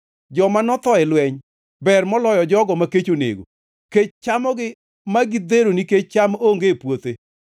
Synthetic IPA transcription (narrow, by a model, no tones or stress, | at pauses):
d͡ʒɔmanɔt̪ɔɛlwɛɲ | bɛrmɔlɔjɔd͡ʒɔɡɔmaket͡ʃonḛɡo̰ | ket͡ʃt͡ʃamɔɡɪ | maɡɪd̪eɾoniket͡ʃ̚t͡ʃamoŋɡepwot̪e